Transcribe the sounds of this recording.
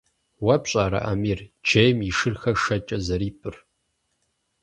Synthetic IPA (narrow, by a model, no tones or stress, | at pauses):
wɐpɕʼaːɾɐ̰ʔɐ̰miːrd͡ʒejmiʂɨrxɐʂɐt͡ʃʼɐzɐɾiːpʰʼɨr